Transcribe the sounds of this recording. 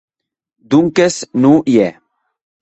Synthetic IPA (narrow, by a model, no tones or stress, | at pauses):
d̪uŋkesnũjɛ